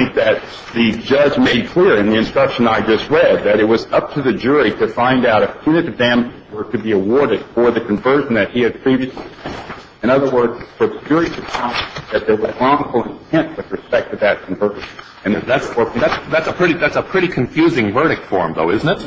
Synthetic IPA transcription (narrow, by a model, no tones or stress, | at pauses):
θɪ̃ŋk̚ðɨt̪̚ | ðɨd͡ʒʌd͡ʒmeɪd̚kʰl̥ɪɹɨ̃nðiɨ̃nstɹ̥ʌkʃɨ̃naɪd͡ʒʌst̚ɹɛd̪̚ðɨɾɨt̚wʌzʌp̚tʰɨðɨd͡ʒʊɹiɾɨfãɪ̃ndaʊɾɨfʰʉ̃nɨɾɨvdæ̃mɨzwə˞ɾɨbiɨwɔɹɾɨd̥fə˞ðɨkʰɨ̃ɱvɜ˞ʒn̩ðɨt̚hiɨd̚pʰɹ̥ivɾiɨsi | ɨ̃ñʌðə˞wɜ˞dzfə˞ðɨd͡ʒʊɹiɾɨfʰãmðɨt̪̚ðə˞wʌzɹɔ̃ŋfl̩ˠɪ̃ntʰɛ̃nt̚wɨðɹɨspɛk̚tɨðɨt̚kʰɱvɜ˞ʒn | ɨ̃nðætswə˞kðætsðætsəpʰɹ̥ɪɾiðætsəpʰɹ̥ɪɾikʰɨ̃ɱfjʉzɪ̃ŋvɜ˞ɾɨk̚tfɔ̰ɹmðo̰ʊɪzn̩tɨt̚